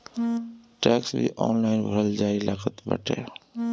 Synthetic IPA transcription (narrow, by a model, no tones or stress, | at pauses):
ʈɛːksbʱḭʔɔ̰ːnlaːɪnbʱəɾəld͡ʒaːilaːkət̪bə̰ʈʰḛː